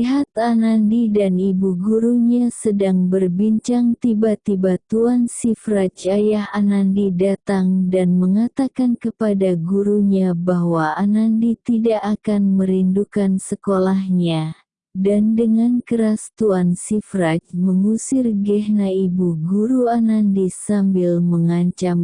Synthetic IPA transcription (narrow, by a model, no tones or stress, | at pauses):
iɦat̪̚anandidanibuɡuɾuɲasədaŋbərbiɲt͡ʃaŋt̪ibat̪ibat̪uansifrat͡ʃajaɦanandidat̪aŋdanməŋat̪akankəpadaɡuɾuɲabaɦwaanandit̪idaʔːkanməɾindukansəkolahɲa | dandəŋankəɾast̪uansifɾat͡ʃməŋusɪrɡɛɦnaibuɡuɾuanandisambɪlməŋaɲt͡ʃam